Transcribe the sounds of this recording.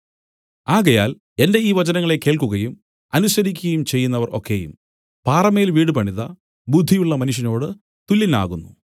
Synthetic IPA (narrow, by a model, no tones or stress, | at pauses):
aːɣɐjaːl | e̞nde̞iːʋɐd͡ʑɐnɐŋːɐɭe̞kːe̞ːɭkuɣɐjum | ɐnusɐɾikʲːuɣɐjumt͡ɕe̞jːunːɐʋɐro̞̰kːe̞jṵm | paːrɐmejilʋiːɽɨpɐɳiðɐ | bud̪ʱːijuɭːɐmɐnuʂ̬jɐno̞ːɽɨ | t̪ulːina̰ːɣunːu